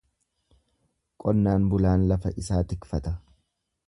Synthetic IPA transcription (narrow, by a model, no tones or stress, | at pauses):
kʼɔnːaːnbʊlaːnlɐfɐʔɪsaːt̪ɪkfɐt̪ɐ